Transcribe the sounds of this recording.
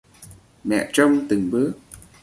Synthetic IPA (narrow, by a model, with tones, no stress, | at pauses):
mɛ̰˧˨t͡ɕɔ˧wŋ͡mt̪ɨ˨˩ŋɓɨ˦˥ək̚